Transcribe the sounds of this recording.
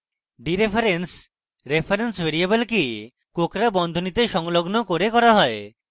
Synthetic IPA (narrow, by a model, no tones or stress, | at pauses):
ɖiɾepʰaɾens | ɾepʰaɾensbeɾiebelki | kokɾabɔnd̪ʱonit̪eʃɔŋloɡnokoɾekɔɾaɦɔe